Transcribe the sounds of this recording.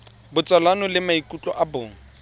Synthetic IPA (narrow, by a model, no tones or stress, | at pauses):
bʊt͡sʼalanɔlɪmaikʼut͡ɬʼɔ̰ʔabʊːŋ̩